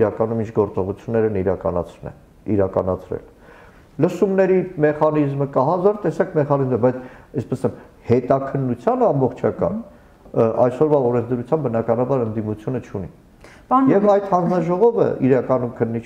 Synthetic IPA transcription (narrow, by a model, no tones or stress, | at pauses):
ɾɑkɑnumint͡ʃʰɡɔɾt͡sɔʁut͡sʰjunːɛɾəniɾɑkɑ̰nɑ̰t͡sʰnɛ̰ | ḭɾɑkɑnɑt͡sʰɾɛ̰l | ləsumnɛɾimɛχɑnizməkɑɦɑzɑɾt̪ɛsɑkʰmɛχɑnizməbɑjt͡sʰɛspɛsɛm | hɛt̪ɑkʰənːut͡sʰjɑnɑmbɔχt͡ʃʰɑkɑ̰n | ʔɑjsɔɾvɑɔɾɛnt͡sʰd̪əɾut͡sʰjɑmbənɑkɑnɑbɑɾənd̪imut͡sʰjunət͡ʃʰuni | jɛvɑjt̪hɑnd͡znɑʒɔʁɔvə̰iɾɑkɑnumkʰənːit͡ʃʰ